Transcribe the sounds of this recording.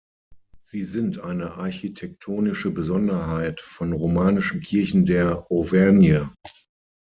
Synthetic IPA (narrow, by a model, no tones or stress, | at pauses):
z̥iːzɪntʔaɪnəʔaɐçitʰɛk̚tʰoːnɪʃəbəzɔndɐɦaɪtfɔnʁomaːnɪʃn̩kʰɪɐçn̩deːɐʔovɛnjə